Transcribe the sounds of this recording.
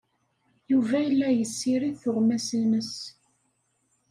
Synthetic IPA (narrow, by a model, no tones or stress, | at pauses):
juvæjəlːæjəsːiɾiθʊʁmæsəməs